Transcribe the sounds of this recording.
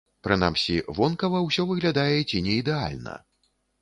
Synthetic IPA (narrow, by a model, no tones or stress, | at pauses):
pɾɨna̰msʲivɔnkɐvɐwsʲɔvɨɣlʲad̪ajɛt͡sʲinʲɛid̪ɛa̰lʲnɐ̰